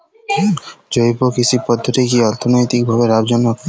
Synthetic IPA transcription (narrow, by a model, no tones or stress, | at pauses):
d͡ʒojpokit͡ʃʰipɔd̪ʱːot̪ikiɔɾt̪ʰonojt̪ik̚bʱabeɾabd͡ʑɔnmɔkɔ